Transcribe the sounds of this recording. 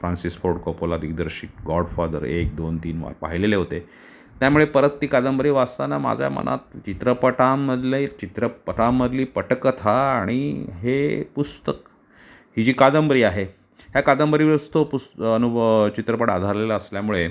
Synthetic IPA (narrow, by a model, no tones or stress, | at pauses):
fɾãnsisfoɾɖkəpolad̪ʱiɡd̪əɾɕiːt̪ɡɔɖfad̪ə̰ɾḛk̚d̪ont̪iːnʋa̰ɾpa̰ɦileleɦot̪e | t̪jamuɭepəɾət̪ːiːkad̪əmbəɾiːʋast̪anama̰d͡zʱja̰mə̰nʔa̰t̪̚t͡ɕit̪ɾəpəʈamːəd̪ʱlet͡ɕit̪ɾəpəʈãmːəd̪liːpəʈəkət̪ʰaːɽ̃iɦepust̪ək | hid͡ʑiːkad̪əmbəɾiːaɦe | ɦjakad̪əmbəɾiːʋɾəst̪opusənut͡ɕit̪ɾəpəʈad̪ʱaɾlelaəsljamuɭe